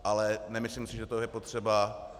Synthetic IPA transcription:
ʔalɛnɛmɪslɪmsɪʒɛt̪ojɛpo̞t̪r̝̥ɛba

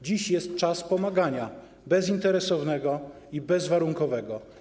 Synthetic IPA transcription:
d͡ʑiɕjɛst̪̚t͡ʂaspɔmaɡaɲa | bɛzint̪ɛɾɛsɔvnɛɡɔ | ibɛzvaɾuŋkɔvɛɡɔ

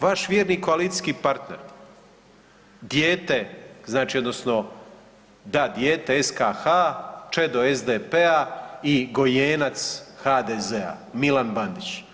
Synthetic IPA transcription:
ʋaʃʋjeːɾnikoalit̪i̥skipaɾt̪ne̞ɾ | d̪jeːt̪e̞znaːt͡ʃio̞d̪no̞sno̞ | d̪ad̪jeːt̪eeskaxat͡ʃed̪oezd̪epeaiɡo̞jeːnat̪sxad̪ezea̰milanband̪it͡ɕ

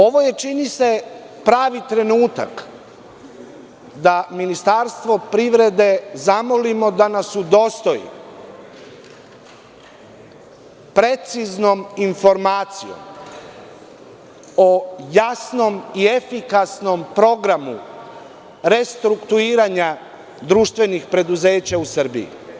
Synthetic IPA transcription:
o̞ʋo̞je̞t͡ʃinise̞ | pɾaːʋit̪ɾe̞nuːt̪a̰k | d̪aminist̪aɾst̪ʋo̞pɾiʋɾe̞d̪e̞zamolimo̞d̪anasud̪o̞st̪o̞jḭ | pɾe̞t̪sizno̞minfo̞ɾmaːt̪sijo̞̰m | ojasno̞mie̞fikasno̞mpɾo̞ɡɾamu | ɾe̞st̪ɾukt̪uiːɾaɲa | d̪ɾuːʃt̪ʋe̞nixpɾe̞d̪uze̞ːt͡ɕausər̩bḭḭ

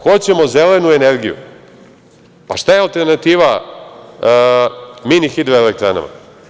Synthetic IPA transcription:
xot͡ɕemo̞zelenueneɾɡijṵ | paʃt̪ajealˠt̪eɾnat̪iːʋa | minixit̪vaelek̚t̪ɾa̰na̰ma̰

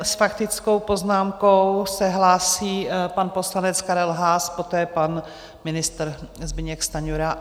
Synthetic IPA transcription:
sfakt̪ɪt͡sko̞wpo̞znaːmkowsɛɦlaːsiːpanpo̞slanɛt͡skaɾɛlɦaːspo̞t̪ɛːpan | mɪnɪst̪ɾzbɪɲɛkst̪aɲuɾa

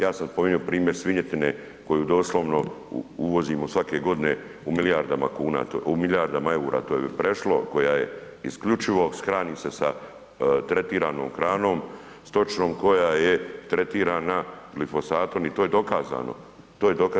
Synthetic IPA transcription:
jaːsamspo̞miɲuopɾiːmje̞ɾsʋiɲet̪ine | ko̞juːd̪o̞ːslˠo̞ʋno̞̰uʋo̞zimosʋake̞ɡo̞d̪ine̞ | umilijaɾd̪ama̰kuːna̰ːt̪oumilijaɾd̪amae̞uɾʔa̰ːt̪o̞ːjepɾe̞ʃlo̞ko̞jaje̞̰ | ḭskʎut͡ʃiʋo̞skɾaːniːmse̞sa | t̪ɾe̞t̪iːɾaːno̞ːmxɾaːno̞ːm | st̪o̞t͡ʃno̞ːmko̞jaːje̞t̪ɾe̞t̪iːɾaːnaɡlifo̞saːt̪onit̪oːje̞d̪o̞kaːza̰ːno̰ | t̪oːjed̪oka

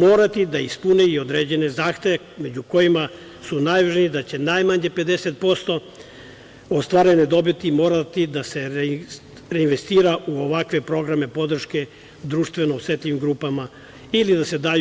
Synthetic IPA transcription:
mo̞ːɾat̪id̪aispuneio̞d̪ɾeːd͡ʑe̞ne̞zaːxt̪e̞ʋeme̞d͡ʑuko̞jima | sunaːjʋaʒniid̪at͡ɕe̞najmaɲe̞pe̞d̪e̞set̪̚po̞st̪o̞ | ost̪ʋaɾened̪o̞bit̪imo̞ːɾat̪id̪ase̞ | ɾeinʋe̞st̪iːɾaʔuoʋakʋe̞pɾo̞ɡɾame̞po̞d̪r̩ʃke̞ | d̪ɾuːʃt̪ʋe̞noset̪ʎʲimɡɾuːpama | ilid̪ase̞d̪aːj

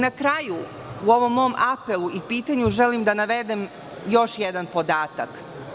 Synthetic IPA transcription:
nakɾaju | uo̞ʋo̞mːo̞mʔapelˠuipiːt̪aɲuʒe̞limd̪anaʋe̞d̪em | jo̞ʃjed̪anpod̪aːt̪ak

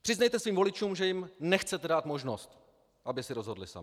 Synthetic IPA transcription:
pr̥ɪznɛjt̪ɛsviːɱvo̞lɪt͡ʃuːmʒɛjɪmnɛxt͡sɛt̪ɛdaːt̪mo̞ʒnost̪ | ʔabɪsɪɾozɦo̞dlɪsa̰mɪ

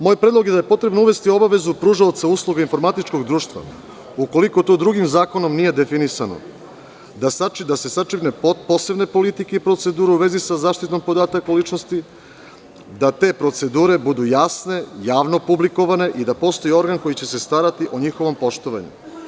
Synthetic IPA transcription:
moːjpɾed̪lˠoɡje̞d̪aje̞po̞t̪ɾe̞bnouʋe̞st̪io̞baʋe̞zupɾuʒaot̪sauːslˠuɡainfo̞ɾmat̪it͡ʃko̞ɡd̪ɾuːʃt̪ʋa̰ | uko̞liko̞t̪od̪ɾuɡimzaːko̞nomnije̞d̪e̞finisano̞̰ | d̪asat͡ʃid̪ase̞sat͡ʃipnepopo̞se̞bne̞po̞lit̪ikeipɾo̞t̪se̞d̪uːɾeuʋe̞zisazaːʃt̪it̪no̞mpo̞d̪aːt̪akulit͡ʃno̞st̪i | d̪at̪e̞pɾo̞t̪se̞d̪uːɾe̞bud̪ujasne̞jaːʋno̞publiko̞ʋane̞ʔid̪apo̞ːst̪o̞jio̞ɾɡanko̞jit͡ɕe̞se̞st̪aːɾat̪iʔo̞ɲixo̞ʋo̞mpo̞ʃt̪o̞ʋa̰ɲṵ

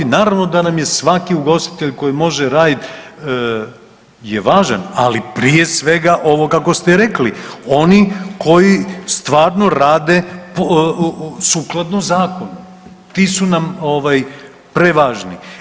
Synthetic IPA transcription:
naːɾaʋno̞d̪anamje̞sʋakiuɡo̞st̪i̥t̪e̞ʎko̞jimo̞ʒeɾaːd̪it̪ | jeʋaːʒana̰lipɾije̞sʋe̞ɡaʔo̞ʋo̞kako̞st̪eɾeklio̞nikʰo̞jist̪ʋaːɾno̞ɾaːd̪e̞p | suːklˠad̪nozaːko̞nu | t̪iːsunamoʋaj | pɾeʋaːʒni

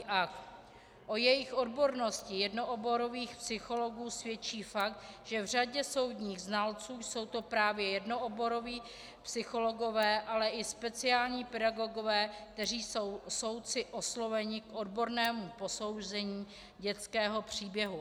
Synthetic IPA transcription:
ʔak̪ | ʔo̞jɛjɪxʔo̞dbo̞ɾno̞scɪjɛdno̞ʔobo̞ɾo̞viːxpsɪxo̞lo̞ɡuːsvjɛt͡ʃiːfak̚t̪ʒ̥ɛvr̝aɟɛso̞wd̪ɲiːɣznalt͡suːjso̞wt̪o̞pɾaːvjɛjɛdnoʔobo̞ɾo̞viː | psɪxo̞lo̞ɡo̞vɛːʔalɛʔɪspɛt͡sɪaːlɲiːpɛdaɡo̞ɡo̞vɛːk̚t̪ɛriːsowso̞wt͡sɪʔoslo̞vɛɲɪkʔodbo̞ɾnɛːmupo̞so̞wzɛɲiː | ɟɛt͡skɛːɦo̞pr̥iːbjɛɦu

